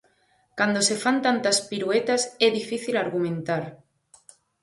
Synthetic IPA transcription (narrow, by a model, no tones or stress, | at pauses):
kand̪ose̞fant̪ant̪aspiɾuet̪aseðifiθilaɾɣumẽnt̪aɾ